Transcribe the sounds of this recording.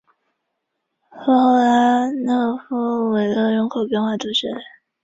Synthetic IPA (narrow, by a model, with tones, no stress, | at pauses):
xɤ˧˥xo˥˩ʊla˧˥nɤ˥˩fu˥we˨˩ɪlə˥˧ɻʊ˧˥ŋkʰo˨˩ʊpjɛ˥˧nxwa˥˩t̪u˥˩ɕɛ˥˩